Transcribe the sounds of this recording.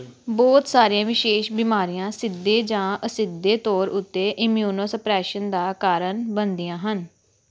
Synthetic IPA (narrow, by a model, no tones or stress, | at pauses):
bɔːt̪saːɾijãːʋɪʃeːʃbiːmaːɾijãːsɪd̪ːeːd͡ʒãːəsɪd̪ːeːt̪ɔːɾʊt̪ːeːʔɪmjuːnoːsəpɾɛːʃənd̪aːkaːɾəɳbənd̪ijãːɦən